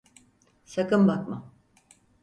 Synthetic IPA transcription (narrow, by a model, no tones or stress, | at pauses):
sakɯnbakma